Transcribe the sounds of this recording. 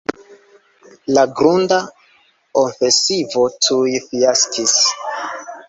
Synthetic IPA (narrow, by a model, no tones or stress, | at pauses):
laɡɾunda | oɱfesivo̞tʰujfiaskʰis